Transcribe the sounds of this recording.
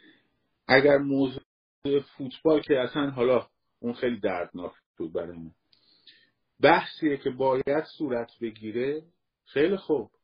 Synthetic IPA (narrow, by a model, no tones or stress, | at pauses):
ʔæɟæɾmoːzu | uʔefuːt̪ʰb̥ɒːlcʰeæsænɦɒːlɒː | ʔuːnxejliːd̪æɾd̪nɒːkʰ | obæɾɒn | bæhsiːjecʰe̞bɒːjæd̪̥suːɾæt̪ʰbe̞ɡiːɾe̞ | xejliːxob̥